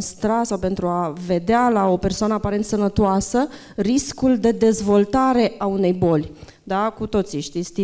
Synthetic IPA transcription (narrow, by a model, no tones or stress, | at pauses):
st̪ɾasawpe̞nt̪ɾuave̞d̪ealao̞pe̞rsoanəapaɾe̞nt̪sənət̪oasə | riskuld̪e̞d̪e̞zvo̞lt̪aɾe̞ʔaune̞jbo̞lʲ | d̪akut̪o̞t̪siʃt̪it̪st̪i